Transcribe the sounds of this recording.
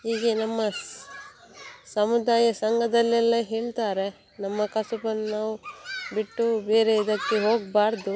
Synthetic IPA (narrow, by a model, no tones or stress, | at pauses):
ɦiːɡenɐmːɐ | sɐmud̪aːjɐsɐŋɡɐd̪ɐlːɛlːɐɦeːɭt̪aːɾe̞ | nɐmːɐkɐsupɐnːnaːʋubiʈːubeːɾe̞id̪ɐkːeɦo̞ːɡbaːɾd̪u